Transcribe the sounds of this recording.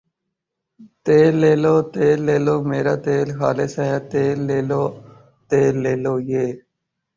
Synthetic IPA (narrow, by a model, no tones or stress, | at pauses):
t̪eːlːeːloːt̪eːlːeːloːmeːɾaːt̪eːlxa̰ːlesɦɛːt̪eːlːeːloː | t̪eːlːeːloːjeː